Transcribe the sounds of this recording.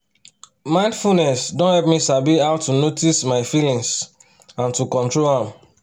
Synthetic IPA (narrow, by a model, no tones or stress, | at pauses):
mãɪ̃ndfulnɛsdõnhɛlp̚misabiawtunotismaɪfilĩŋs | ãntukɔ̃ntɹolãm